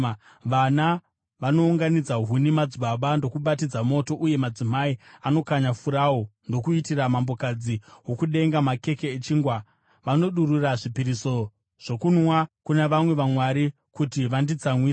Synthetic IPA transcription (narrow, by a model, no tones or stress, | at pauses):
ʋana | ʋano̞uŋɡanid͡zaɦunimad͡zuɓaɓando̞kuɓatid͡zamo̞to̞ʔuje̞mad͡zimaiano̞kaɲafuɾawondo̞kuitiramambo̞kad͡ziwo̞kuɗe̞ŋɡamake̞keːt͡ʃiŋɡwa | ʋano̞ɗururaʐipiɾiso̞ | ʐ̥o̞kunwakuneʋamwe̞ʋamwaɾi | kutiʋandid͡zamwis